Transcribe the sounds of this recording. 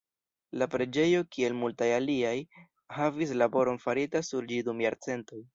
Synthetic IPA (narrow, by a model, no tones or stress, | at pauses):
lapɾe̞d͡ʒe̞jo̞kie̞lmultajaliaj | havis̬labo̞ɾo̞nfaɾitasuɾd͡ʒidumjaɾt͡se̞nto̞j